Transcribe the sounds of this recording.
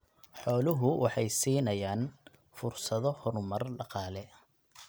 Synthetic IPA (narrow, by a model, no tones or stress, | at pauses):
ħɔːlʊɦʊwʔɑħɑjsiːnɐjaːn | fʊrsɐðɔhɔɾmɐrɖɑqɑːlɛ